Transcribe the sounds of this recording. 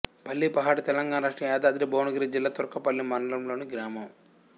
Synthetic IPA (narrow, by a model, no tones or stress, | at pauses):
pɐlːipɐɦaːɽut̪ɛlɐŋɡaːnɐɾɐːʂʈɐmɛːd̪aːd̪ɾiboːnɐɡɐɾid͡ʒilːaːt̪uɾɐkɐpɐlːimɐnɐlɐmlo̞ːniɡɾaːmɐm